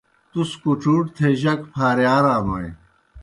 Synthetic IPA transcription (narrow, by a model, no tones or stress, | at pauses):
t̪uskuʈ͡ʂuːʈt̪ʰeʑɐkpʰaːɾjaːɾaːnoḛ̃